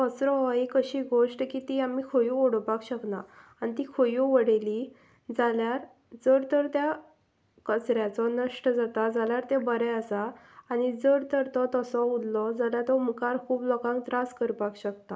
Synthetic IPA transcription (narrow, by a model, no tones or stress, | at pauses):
kɔt͡sɾɔɦɔekəɕiːɡoʂʈkiːt̪iamikʰojuoɽpakɕəknaanit̪ikʰojuʋəɽeli | d͡zaljaɾ | d͡zəɾt̪əɾt̪ja | kət͡sɾjat͡sɔnəʂʈəd͡zat̪ad͡zaljaɾt̪ẽbəɾɛəsaːñid͡zəɾt̪əɾt̪ɔt̪ɔsɔud̪lɔd͡zaljat̪ɔmkaɾkʰuːblɔkãŋ̚t̪ɾaskəɾpakɕəkt̪a